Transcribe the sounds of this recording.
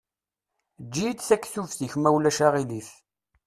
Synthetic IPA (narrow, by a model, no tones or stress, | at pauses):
d͡ʒːijt͡s̪θækːθufθiçmæwlæʃaʁiliθ